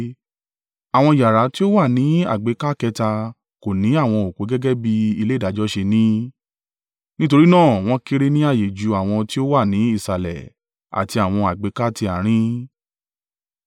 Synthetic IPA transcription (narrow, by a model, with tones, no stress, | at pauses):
a˨w̃ɔ̃˧i˨ja˨ɾa˨˦ti˦o˦wa˦˨nĩ˨˦a̰˦˨ɡ͡be˨˧˦ka˦kɛ˧ta˧ | ko˨nĩ˨˦a˦˨w̃ɔ̃˧o˨k͡po˨˦ɡɛ˦ɡɛ˦bi˧i˧le˦˨da˨˦d͡ʒɔ˦ʃe˧nĩ˦ | nĩ˦to˧ɾi˦nãː˦˨w̃ɔ̃˦ki˦ɾe˦nĩ˦a˦˨je˨d͡ʒu˨˦a˨w̃ɔ̃˧ti˦o˦wa˦˨nĩ˨˦i˦˨sa˨lɛ̰˨ | a̰˨ti˧a˨w̃ɔ̃˧a˨ɡ͡be˨˦ka˦ti˧a˨ɾ̃ĩ˦